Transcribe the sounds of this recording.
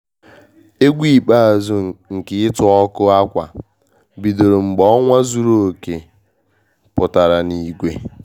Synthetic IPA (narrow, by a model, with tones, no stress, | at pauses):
e˦ɡʷi˦˨k͡pa˦˨a˨zu˨ŋ̩˨kɪ˨˦ɪ˦tʊ˨ɔ˦kʊ˦a˦kʷa̰˨ | bi˨do˨ɾo˨ŋ͡m̩˨ɡ͡bɔ˦ŋʷa˦zu˨ɾo˦o˨ke˨ | pʊ˨ta˨ɾa˨ni˨ɡʷe˨˦